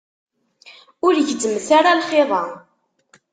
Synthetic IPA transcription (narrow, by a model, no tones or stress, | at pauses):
ʊɾʝəzəmθaɾalχeðˤɑ